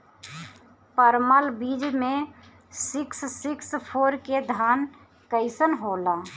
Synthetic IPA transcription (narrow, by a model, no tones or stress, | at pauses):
pəɾməlbiːd͡ʒmẽ | sɪksːɪkspʰoːɾked̪ʱaːn | kəɪsənɦoːlaː